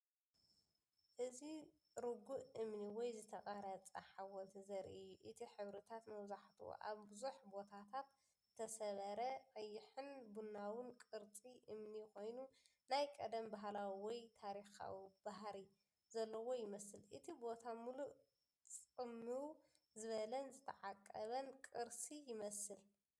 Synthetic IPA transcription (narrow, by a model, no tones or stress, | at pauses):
ʔɨzi | ɾɨɡuʔʔɨmniwɔjzɨt̪ʰɐkʼaɾɐt͡sʼɐħawɔnt̪ʰizɐɾḭɨjːuʔɨt̪ʰiħɨβɾɨt̪ʰat̪mɐβzaħt̪ʰuo̰ʔa̰βbɨzuħbo̞t̪ʰat̪ʰat̪ | ɨt̪ʰɐsɐβɐɾɐʕɐjːɪħɨnbunːawɨnkʼɨɾt͡sʼiʔɨmniko̞jnu | najkʼɐd̪ɐmbaɦlawiwɔjt̪ʰaɾixa̰wib̥aɦɾi | zɐlːɐwo̞jɪmɐsɨlʔɨt̪ʰibo̞t̪ʰamuluʔ | t͡sʼɨmːɨw | zɨβɐlɐnzɨt̪ʰɐʕakʼːɐβɐnkʼɨɾsijɪmɐsɨl